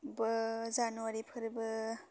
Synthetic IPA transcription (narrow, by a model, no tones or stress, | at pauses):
bɯzanuaɾipʰɯɾbɯ